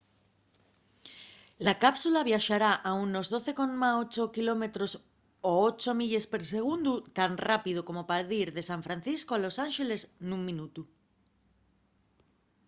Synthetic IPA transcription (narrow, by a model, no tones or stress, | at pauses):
lakapsulaβ̞jaʃaɾaʔaunːozðo̞θekonmaot͡ʃokilo̞met̪ɾos | oot͡ʃomiʎespeɾseɣ̞und̪ut̪anrapið̞okomopaɾðiɾðe̞sãɱfɾãn̟θiskoalo̞sanʃele̞znũŋmĩnut̪u